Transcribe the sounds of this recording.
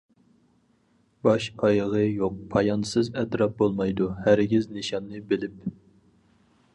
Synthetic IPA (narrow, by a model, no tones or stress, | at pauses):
bɑʃɑjʁɨjoq̚pʰɑjɑnsɨzɛt̪ɾɑp̚bolˠmɑjd̪uhæɾɡʲiznɨʃɑnːɨbɪlɪp